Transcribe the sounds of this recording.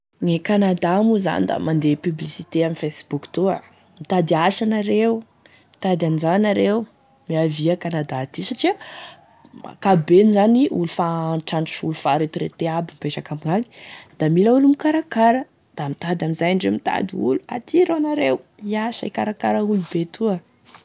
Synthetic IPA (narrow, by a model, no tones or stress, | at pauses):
nekanad̪amuza̰nid̪a̰mand̪epyblisit̪eaminfesbukt̪ua̰ | mit̪ad̪iaʃanaɾewu | mit̪ad̪anzaanaɾew | miaviəkanad̪at̪isaʈ͡ʂiə | ma̰kabenzaniʔulufaʈ͡ʂaɳʈ͡ʂulufaɾet̪uɾḛt̪eabimpeʃakamiŋaŋi̥d̪̥amilaulumikaɾakaɾə | d̪̥amit̪ad̪amizajaɳɖ͡ʐemit̪a̰d̪iulua̰t̪ʰiɾonaɾewiasa̰ikaɾakaɾəulubet̪ʰuə